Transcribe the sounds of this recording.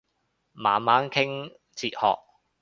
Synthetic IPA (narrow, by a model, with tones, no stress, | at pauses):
maː˨nmaː˨˥nkʰɪ˥ŋ | t͡sʰiː˧t̚hɔ̰ː˨k̚